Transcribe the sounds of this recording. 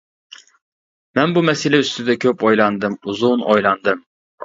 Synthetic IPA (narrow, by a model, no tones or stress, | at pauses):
mɛnbumɛselɛyst̪yd̪ɛkʲʰøpojlˠɑnd̪ɨmuzunʔojlˠɑnd̪ɨm